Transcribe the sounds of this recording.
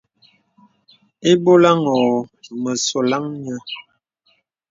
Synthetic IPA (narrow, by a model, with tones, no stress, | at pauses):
e˦bo˦la˦ŋɔ˨mə˨so˨la˦ŋɲə˦